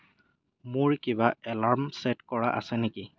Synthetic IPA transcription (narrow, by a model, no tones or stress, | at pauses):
mʊɹkibaɛlaɹmsɛtkɔɹa̰ʔa̰sɛneki